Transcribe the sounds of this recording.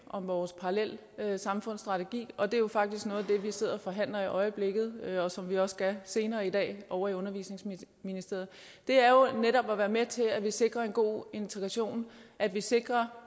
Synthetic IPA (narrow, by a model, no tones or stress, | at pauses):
ʔɒ̽mʋɒːspʰɑ̈ʁɑlel̰ | øsɑ̈mfɔ̽n̰sd̥ʁɑ̈t͡sʰeɡ̥ḭːɒ̽d̥e̝jo̝fɑ̈ɡ̥d̥isɡ̥nɔ̽ːðˠd̥e̝ʋise̝ð̞̰ˠɐfɒ̽ɦæn̰lɐiʔɒ̽ɪəb̥le̝ɡ̥ð̞̩ˠɒ̽sɒ̽mʋiɒ̽sɡ̥æse̝ːnɐːidɛ̰ːʔɒʊɐiɔ̽nɐʋḭːsne̝ŋs | minisd̥e̝ɐð̞̩ˠ | d̥e̝æɐjo̝neɾɒ̽b̥ɒʋæːɐmet͡sʰe̝læʋise̝ɡ̥ʁɐe̝nɡ̥o̝̰ːe̝nt͡sʰeɡ̥ʁɑɕo̝̰ːnʔæd̥ʋise̝ɡ̥ʁɐ